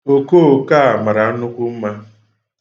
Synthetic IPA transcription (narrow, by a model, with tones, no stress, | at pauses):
o˨ko˦˨o˨ka˦a˨ma˨ɾa˨˦nʊ˦kʷʊ˦m̩˦ma˦